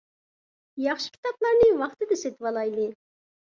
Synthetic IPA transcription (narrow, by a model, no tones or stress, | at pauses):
jɑχʃɪ̥kʲʰi̥t̪ɑplˠɑɾnɨwɑχt̪ɨd̪ɛset̪wɑlˠɑjlˠɨ